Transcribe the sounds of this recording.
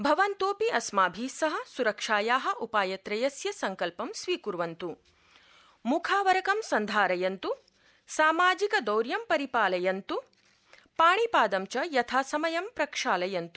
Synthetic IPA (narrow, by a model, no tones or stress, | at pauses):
bʱɐʋɐnt̪oːpiʔɐsmaːbʱiːsɐɦɐ̆suɾɐkʂaːjaːɦɐ̆ʔupaːjɐt̪ɾɐjɐsjɐsɐŋkɐlpɐmsʋiːkuɾʋɐnt̪u | mukʰaːʋɐɾɐkɐmsɐnd̪ʱaːɾɐjɐnt̪u | saːmaːd͡ʒikɐd̪ɐwɾjɐmpɐɾipaːlɐjɐnt̪u | paːɳipaːd̪ɐmt͡ʃɐjɐt̪ʰaːsɐmɐjɐmpɾɐkʂaːlɐjɐnt̪u̥